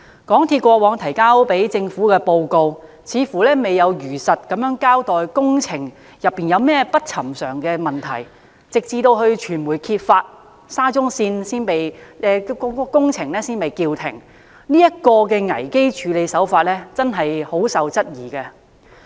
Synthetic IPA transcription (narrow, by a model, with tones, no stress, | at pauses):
kɔː˨˥ŋt̪ʰiː˧t̚kʷɔː˧wɔː˨˧˥ŋt̪ʰɐ˨˩jkaː˥wpe˨˥jt͡sɪ˧ŋfuː˨˥kɛː˧po˧wko˧w | t͡sʰiː˨˧fuː˨˩lɛː˥me˨jɐ˨˧wjyː˨˩sɐ˨t̚kɐ˨˥mjœː˨˥ŋkaː˥wt̪ɔː˨jkʊ˥ŋt͡sʰɪ˨˩ŋ | jɐ˨pːiː˨njɐ˨˧wmɛː˥pɐ˥t̚t͡sʰɐ˨˩msœː˨˩ŋkɛː˧mɐ˨˩nt̪ʰɐ̰˨˩j | t͡sɪ˨k̚t͡siː˧t̪o˧whɵ˧ɥt͡ʃʰyː˨˩nmuː˨˩jkʰiː˧t̚faː˧t̚ | saː˥t͡sʊ˥ŋsiː˧nsiː˥npe˨jɛː˧kkʊ˥ŋt͡sʰɪ˨˩ŋlɛː˥siː˥nme˨˩jki˧wt̪ʰɪ˨˩ŋ | niː˥jɐ˥t̚kɔː˧kɛː˧ŋɐ̰˨˩jke˥jt͡ʃʰyː˨˧le˨˧jsɐ˨˥wfaː˧t̚lɛː˥t͡sɐ˥nɦɐ˨jho˨˥wsɐ˨˧wt͡sɐ˥t̚jiː˨˩kɛ˧